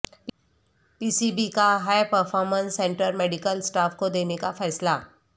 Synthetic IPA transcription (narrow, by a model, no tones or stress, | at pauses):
piːsibikaɦaːjpəɾfʰɔːɾmə̃nsːɛ̃ːɳʈəɾmɛːɖɪkəlsʈaːfkod̪eːnekafɛːsla